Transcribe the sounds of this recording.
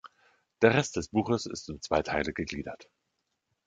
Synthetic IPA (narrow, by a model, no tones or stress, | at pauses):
d̥eːɐʁɛst̚d̥ɛsb̥uːxəsɪ̰stʊmt͡sv̥aɪtʰaɪləɡəɡliːdɐ̰t